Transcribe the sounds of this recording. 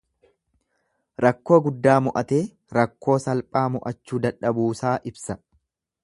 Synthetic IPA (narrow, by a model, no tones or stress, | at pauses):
ɾɐkːo̞ːɡʊd̪ːaːmʊʔɐt̪e̞ː | ɾɐkːo̞ːsɐlpʼaːmʊʔɐt͡ʃːuːd̪ɐᶑɐbuːsaːʔɪbsɐ